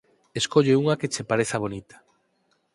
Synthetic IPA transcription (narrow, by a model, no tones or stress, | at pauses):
eskoʎeuŋaket͡ʃepaɾeθaβ̞onit̪ḁ